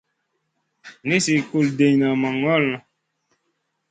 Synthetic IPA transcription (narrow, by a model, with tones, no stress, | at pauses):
ni˦si˨ku˨lde˨ɲna˨ma˨ŋɔ˦˨lnɔ˨